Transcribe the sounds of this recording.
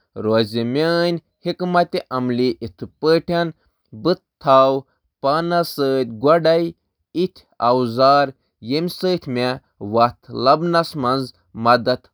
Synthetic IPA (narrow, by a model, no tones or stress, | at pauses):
ɾoːzimʲeːnʲ | hikmɐt̪ʲiʔɐmliʔit̪ʰɨpəʈʰɐn | bɨt̪t̪ʰːaːw | panɐsəːt̪̚ʲɡʷɐɖɐj | it̪ʲʰ | ɐ̰wzaːɾ | jemʲsəːt̪ʰʲmʲe | ʋɐt̪ʰlɐbnɐsmɐnz | mɐd̪ɐt̪